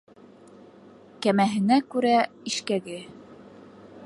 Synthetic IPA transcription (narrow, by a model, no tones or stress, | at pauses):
kæmæɦɘ̆nækʉɾæiʃkæɡɘ